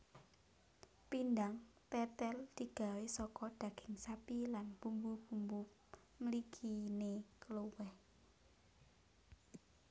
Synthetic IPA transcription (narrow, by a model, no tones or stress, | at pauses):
pind̪aŋt̪ɛt̪ɛld̪̥iɡ̥a̤wesɔkɔd̪̥ä̤ɡ̥ɪŋsapilanb̥umbub̥ṳmbu | məlikʰinekəlowɛh